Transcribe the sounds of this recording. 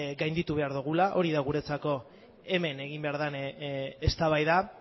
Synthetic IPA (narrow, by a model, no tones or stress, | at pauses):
ɡajnd̪it̪uβ̞e̞aɾðuɣ̞ulaʔo̞ɾiðaɣ̞uɾe̞t͡sako̞ | e̞me̞ne̞ɣ̞imbe̞aɾðanest̪aβajða